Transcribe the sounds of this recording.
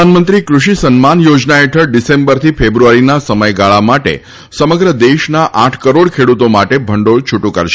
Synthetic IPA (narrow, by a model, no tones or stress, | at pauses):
anmənt̪ɾikɾuʃisənmanjod͡ʒnaeʈʰəɭɖisẽmbəɾt̪ʰifebɾuaɾinasəməjɡaɭamaʈḛ | səməɡɾəd̪eʃnaʔãʈʰkəɾoɽkʰeɽut̪omaʈebʱəɳɖoɭt͡ʃʰuʈũkəɾʃe